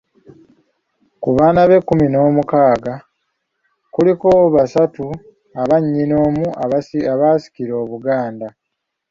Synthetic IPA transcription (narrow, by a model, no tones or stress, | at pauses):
kuβaːnaβe̞kːumino̞ːmukaːɡa | kulikoβasatu | aβaɲːino̞ːmuʔaaβasi̥kiɾo̞ːβuɡaːnda